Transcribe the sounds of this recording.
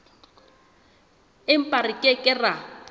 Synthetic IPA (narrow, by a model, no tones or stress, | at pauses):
ɪm̩pʼarɪkʼɪkʼɪra